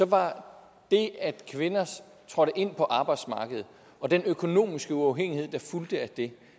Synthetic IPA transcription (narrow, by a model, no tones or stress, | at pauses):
sɒ̽ʋɑ̈ | d̥e̝æd̥kʰʋe̝nɐs | t͡sʰʁɒ̽ɾəʔe̝n̰pʰɒ̽ʔɑ̈ːb̥ɑ̈ɪ̰d̥smɑ̈ːɡ̥əð̞̩ˠ | ɒ̽d̥enøkʰo̝no̝̰ːmisɡ̥əuɑ̈ʊɦeŋ̰ihe̝ð̰ˠd̥ɑ̈fuld̥əæd̥e̝